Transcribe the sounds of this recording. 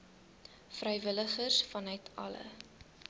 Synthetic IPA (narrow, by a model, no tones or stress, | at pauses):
frɛjvələχərsfɐnœɥtʰɐ̰lə̰